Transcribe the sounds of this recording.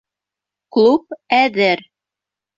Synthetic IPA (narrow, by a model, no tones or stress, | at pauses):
klˠup̚æðɘɾ